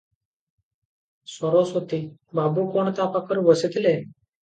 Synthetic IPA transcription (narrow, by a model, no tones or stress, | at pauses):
sɔɾosot̪ibabukoɳt̪apakəɾʋəset̪le